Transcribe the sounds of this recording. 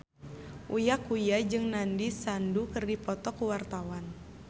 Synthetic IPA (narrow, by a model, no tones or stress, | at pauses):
ʔujakujad͡ʒɨŋnandisandukɨrdipɔt̪ɔkuwart̪awan